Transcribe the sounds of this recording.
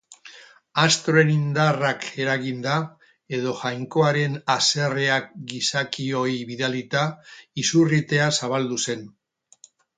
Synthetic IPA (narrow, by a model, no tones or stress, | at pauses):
ast̪ɾo̞e̞nind̪arake̞ɾaɣind̪a | e̞ð̞o̞ʝajŋko̞aɾe̞nase̞re̞akɡisakio̞iβiðealit̪aisurit̪e̞asaβ̞ald̪use̞n